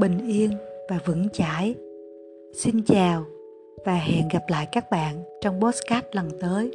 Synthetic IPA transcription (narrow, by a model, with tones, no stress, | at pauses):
ɓï˨˩ŋ̟ʔi˧ənvaː˨˩vɨ̰˧˥ŋt͡ɕaː˧˥˩j | si˧nt͡ɕaː˨˩w | vaː˨˩ɦɛ̰˧˨nɣa˨˩p̚la̰ː˧˨jkaː˦˥k̚ɓa̰ː˧˨nt͡ɕɔ˧wŋ͡mɓo˦˥t̚skaː˦˥t̚lə˨˩nt̪əː˨˦j